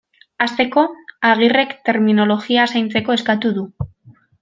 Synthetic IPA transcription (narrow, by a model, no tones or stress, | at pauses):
ast̪e̞ko̞aɣ̞ire̞kt̪e̞ɾmino̞lo̞ɣiasajnt͡se̞ko̞e̞skat̪uðu